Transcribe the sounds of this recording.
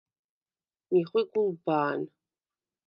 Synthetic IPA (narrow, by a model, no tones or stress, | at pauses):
wiχʷiɡʷʊlbaːn